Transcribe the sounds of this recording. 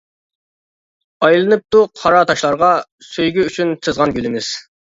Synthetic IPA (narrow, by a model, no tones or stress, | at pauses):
ɑjlˠɨnɨp̚t̪uqʰɑɾɑt̪ʰɑʃlˠɑɾʁɑsøjɡʲyyt͡ʃʰynt̪ʰɨzʁɑnɡʲylɪmɪz̥